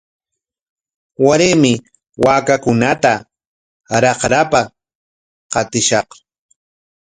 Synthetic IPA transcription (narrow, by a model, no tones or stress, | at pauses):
waɾemɪ | waːkakʊnat̪a | ɾɑqɾapa | qɑt̪ɪʃɑq